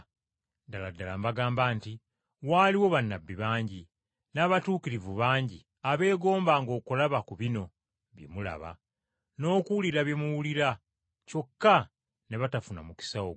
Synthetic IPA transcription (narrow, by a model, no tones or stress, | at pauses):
daladːalambaɡaːmbaːnti | waːliwo̞βanːabːiβaːɲɟi | naːβatuːkiɾivuβaːɲɟi | aβe̞ːɡo̞ːmbaːŋɡo̞ːkulaβakuβino̞ | βjḛmula̰βa̰ | no̞ːkuwliɾaβjemuwuliɾa | co̞kːa | ne̞βatafuna̰muki̥sawo